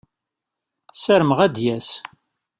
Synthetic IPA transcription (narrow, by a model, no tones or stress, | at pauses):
sæɾmʁæd̪jæs